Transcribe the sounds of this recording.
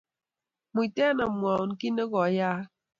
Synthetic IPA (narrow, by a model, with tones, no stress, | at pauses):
mu˨i˨tɛ˦na˨m˨a˨n˨ki˦nə˦ɣɔ˨˦jaː˦